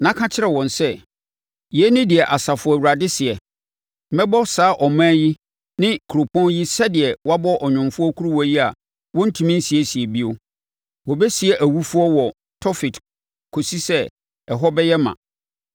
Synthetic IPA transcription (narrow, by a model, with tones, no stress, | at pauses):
nã˦kʰã˦t͡ɕʰɪ˦ɾɛ˨wɔ̃˨nsɛ˦˨ | jnɪ̃˦dɪ˨ɛ˨ʔa˨sa˨fʊ˨˦˨wu˨ɾa˨dɪ˦sɪ˨ɛ˨ | m̩˨mɛ̃˦bɔ˦saː˨˦ʔɔ˨mãː˦ji˦ | nɪ̃˦kʰu˨ɾo˨pʰɔ̃˦nji˦sɛ˦dɪ˨ɛ˨wa˦bɔ˦ʔɔ˨ɲᶣʊ̃˨mfʊ˦ɔ˦kʰu˦ɾu˦wɔ˦ji˦a˨ | wɔ̃˦n̩˦tʰũ˨mĩ˦n̩˦si˨ɛ˨˦si˨ɛ˨bi˦o˦ | wɔ˨bɛ˦si˨ɛ˨ʔæ˨wu˦fʊ˦ɔ˦wɔ˨ | tʰɔ˦fɪ˨t | kʰo˨si˦sɛ˦ | ɛ˨ɦɔ˦bɛ˦jɛ˦mã̰˨